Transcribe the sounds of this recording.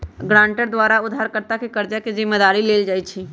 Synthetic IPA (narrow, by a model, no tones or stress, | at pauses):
ɡɾãːɳʈəɾd̪ʋaːɾaʊd̪ʱːaːɾkəɾt̪akekəɾd͡ʒakezɪmːəd̪aːɾileːld͡ʒaːit͡ʃʰiː